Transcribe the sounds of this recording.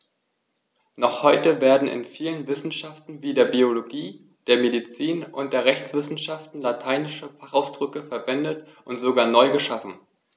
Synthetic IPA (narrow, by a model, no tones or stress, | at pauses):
nɔχhɔʏtəveːɐdn̩ɪ̰nfiːlənvɪsn̩ʃaftn̩viːdeːɐbioloɡiː | d̥eːɐmedit͡siːnʔʊnt̚d̥eːɐʁ̞ɛçt͡sv̥ɪsn̩ʃaftn̩latʰaɪnɪʃəfaχaʊsd̥ʁʏkəfɛɐvɛndət | ʔʊntz̥oɡaːɐnɔʏɡəʃafn̩